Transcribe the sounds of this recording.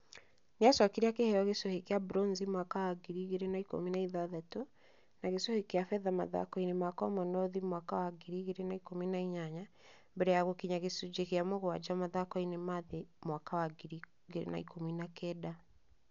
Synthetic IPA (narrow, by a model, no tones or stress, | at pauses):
neasɔkeɾakehɛjɔɣesɔhekeabɾɔnzimwakawaɡiɾiɣeɾenaiko̰minaiðaðato | naɣesɔhekeafɛðama̰ða̰kɔinemakɔmɔnɔðimwakawaɡiɾiɣeɾenaikominaiɲaɲa | mbɛɾɛjaɣokiɲaɣesud͡ʑekeamoɣowad͡ʑamaðakɔinemaðemwakawaɡiɾi | ɡeɾḛna̰ikominakɛda